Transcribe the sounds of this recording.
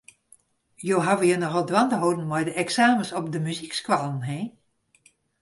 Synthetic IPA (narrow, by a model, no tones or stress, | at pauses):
joːɦaʋəjənɔɣɔlˠdwandəɦowdn̩mɔjdəʔɛksaːməsɔpdəmyzikskwalˠənɦeː